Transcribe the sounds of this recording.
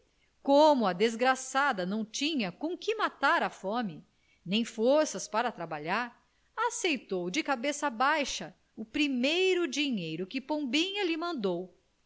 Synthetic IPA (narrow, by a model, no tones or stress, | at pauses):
kõmʊɐd̪ezɡɾasad̪ɐnɐ̃w̃t͡ʃĩɲɐkõkɪmat̪aɾɐfõmɪ | nẽj̃foɾsɐspaɾɐt̪ɾabaʎaɾ | asejt̪owd͡ʒɪkabesɐbajʃɐ | ʊpɾimejɾʊd͡ʒiɲejɾʊkɪpõbĩɲɐlɪmɐ̃nd̪ow